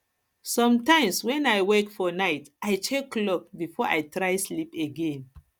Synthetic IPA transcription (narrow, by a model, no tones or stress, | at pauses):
sɔ̃mtãɪ̃mswɛ̃najwɛkfɔnaɪtajt͡ʃekːlɔk̚bifɔʔa̰jtɹajslipeɡẽn